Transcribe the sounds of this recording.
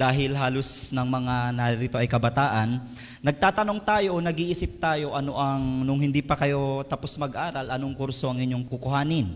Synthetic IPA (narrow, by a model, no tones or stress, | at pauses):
d̪aːɦɪlɦaːlosnɐŋmɐŋanɐɾiɾit̪o̞ʔɐjkɐbɐt̪aːʔɐnː | ɐɡ̚t̪aːt̪ɐno̞ŋt̪aːjo̞ʔonɐɡiːʔiːsɪp̚t̪aːjo̞ʔɐno̞ʔɐŋnʊŋhɪnd̪iːpɐkɐjo̞t̪ɐposmɐɡʔaːɾɐlʔɐnoŋkuɾso̞ʔɐŋɪɲːoŋkʊkʊhaːnɪn